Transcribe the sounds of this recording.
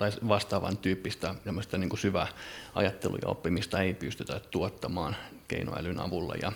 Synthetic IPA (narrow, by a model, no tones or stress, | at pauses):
ɑisʋɑst̪ɑːʋɑ̰nt̪yːpːist̪æemːost̪ɑniːŋkusyʋæɑ̰jɑt̪ːelṵjɑ̰o̰pːimist̪ɑeipyst̪yt̪ættuot̪ːɑmɑːnkḛino̰æ̰lynɑ̰ʋulːɑ̰jɑ̰